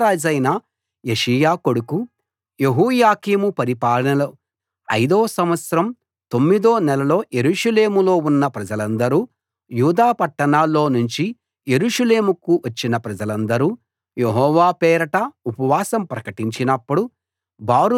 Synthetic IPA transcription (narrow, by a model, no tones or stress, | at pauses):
aːd͡ʒɐjnɐ | jeʂɐjaːko̞ɽuku | je̞ɦuːjaːkiːmupɐɾipaːlɐnɐlo | ɐjd̪oːsɐmʋɐt̪sɐɾɐm | t̪o̞mːid̪oːnɛlɐlo̞ːje̞ɾuːʂɐle̞ːmulo̞ːunːɐpɾɐd͡ʒɐlɐnd̪ɐɾuː | juːd̪aːpɐʈːɐɳaːlːo̞ːnuɲt͡ʃi | je̞ɾuːʂɐleːmukuʋɐt͡ʃːinɐpɾɐd͡ʒɐlɐnd̪ɐɾuː | jeɦɔːʋaːpɛːɾɐʈɐupɐʋaːsɐmpɾɐkɐʈiɲt͡ʃinɐpːuɽu | baːɾu